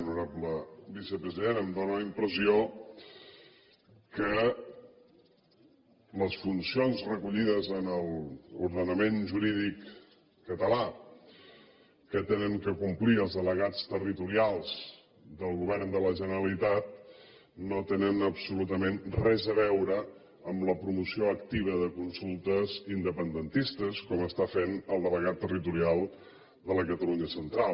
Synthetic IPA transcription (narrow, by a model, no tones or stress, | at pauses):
nuɾabləbisəpɾəziðenəmd̪onəlimpɾəzio | kə | ləsfunsionzrəkuʎiðəzənəlˠṵɾðənəmenʒuɾiðikː | ət̪əla | kət̪enəŋkəkumpliəlˠzðələɣat͡st̪ərit̪uɾialˠz̥ | d̪əlˠɣuβɛrnd̪ələʒənəɾəlit̪at̪̚ | not̪enənəpsulut̪əmenrɛzəβɛwɾəː | mləpɾumusioəkt̪iβ̞əðəkunsulˠt̪əzind̪əpənd̪ənt̪ist̪əskɔməst̪afenəlˠd̪ələɣat̪ːərit̪uɾialˠ | d̪ələkət̪əluɲəsənt̪ɾa